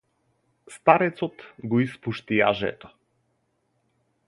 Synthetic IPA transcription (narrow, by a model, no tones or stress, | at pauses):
st̪aɾɛt̪sɔt̪ɡɔispuʃt̪ia̰ʒɛ̰t̪ɔ̥